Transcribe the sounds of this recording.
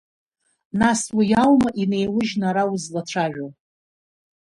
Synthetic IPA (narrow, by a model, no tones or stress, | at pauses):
naswijawmaʔine̞jwʊʒnaɾawʊzlaʈ͡ʂʷʰaʒᶣo